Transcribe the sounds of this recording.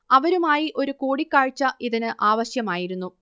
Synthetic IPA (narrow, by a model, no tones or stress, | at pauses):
ɐʋɐɾumaːjiʔo̞ɾukoːɽikːaːɻt͡ɕːɐʔiðinɨʔaːʋɐɕjɐmaːjiɾunːu